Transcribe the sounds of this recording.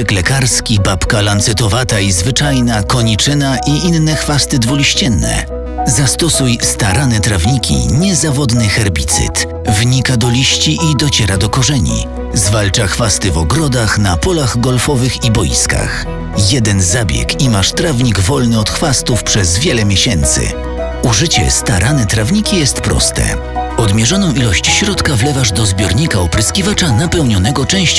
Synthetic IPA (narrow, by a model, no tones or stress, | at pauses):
klɛkaɾskʲibapkalant̪sɛt̪ɔvat̪aizvɘt͡ʂajnakɔɲit͡ʂɘnaʔiʔinːɛxfast̪ɘd̪vɔlʲiɕt͡ɕɛnːɛ̰ | zast̪ɔsujst̪aɾanɛt̪ɾavɲikʲḭɲɛzavɔd̪nɘxɛɾbʲit̪sɘ̰t̪ | vɲikad̪ɔlʲiɕt͡ɕiʔid̪ɔt͡ɕɛɾad̪ɔkɔʐɛɲḭ | zvalt͡ʂaxfast̪ɘvɔɡɾɔd̪axnapɔlaɣɡɔlfɔvɘxibɔjḭska̰x | jɛd̪ɛnzabʲjɛ̰kimaʂt̪ɾavɲiɡvɔlnɘɔt̪xfast̪ufpʂɛzvʲjɛlɛmʲjeɕɛnt̪sɘ̰ | uʐɘt͡ɕɛ̰st̪aɾʔanɛt̪ɾavɲikʲijɛst̪pɾɔ̰st̪ɛ̰ | ɔd̪mʲjɛʐɔnɔ̃w̃ʔilɔɕt͡ɕɕɾɔt̪kavlɛvaʐd̪ɔzbʲjɔɾɲikaɔpɾɪskʲivat͡ʂanapɛwɲɔnɛɡɔt͡ʂɛ̃w̃ɕ